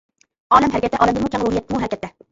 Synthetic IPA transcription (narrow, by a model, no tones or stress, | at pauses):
ɒːlamɦaɾkʲat̪ːaʔɒlˠamd̪ɪmʊkʰʲamɾʊhɪjat̪̚ːɪmʊɦaɾkʲat̪ːa